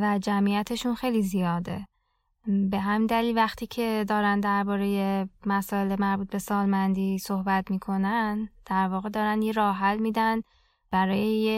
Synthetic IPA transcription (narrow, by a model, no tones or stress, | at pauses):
væd͡ʒæmijæt̪ʰe̞ʃunxe̞jlizijɒːd̪e̞̰ | be̞ɦæmind̪æliːlvæxt̪ʰiːcʰe̞d̪ɒːɾænd̪æɾbɒːɾe̞je̞mæsɒːe̞lemæɾbuːt̪̚be̞sɒːlmænd̪iːso̞hbæt̪miːkʰo̞nænd̪̥æɾvɒːɣe̞d̪ɒːɾænjeɾɒːɦælmiːd̪æn | b̥æɾɒːjeje